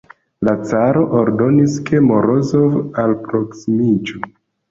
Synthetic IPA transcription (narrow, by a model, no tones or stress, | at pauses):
lat͡saɾo̞ʔoɾdo̞niskʰe̞moɾozovalpɾoksimid͡ʒo